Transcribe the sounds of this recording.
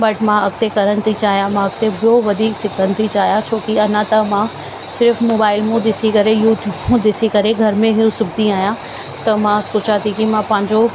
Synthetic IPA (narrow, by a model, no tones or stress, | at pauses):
bɐʈmãɐkt̪ekɐɾənɪ̆t̪ʰit͡ɕaːɦijamãɐkt̪ebɪjoʋɐd̪ʱiːksɪkʰənɪ̆t̪ʰit͡ɕaːɦijãt͡ɕʰoːkiɐnãt̪ɐmã | sɪɾfmoːbaːɪlmũd̪ɪsikɐɾejuːʈʰjuːbmũd̪ɪsikɐɾeɡʱɐɾmẽɦijũsʊb̚d̪iaːɦijã | t̪ɐmãsʊːt͡ɕat̪ʰikimãpɐ̃ɦɪ̃ɲd͡ʑo